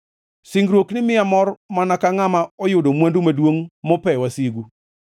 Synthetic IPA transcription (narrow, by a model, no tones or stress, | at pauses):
siŋɡɾwoknɪmɪamɔrmanakaŋamaɔjʊdomwandumadwoŋmɔpɛwasiɡu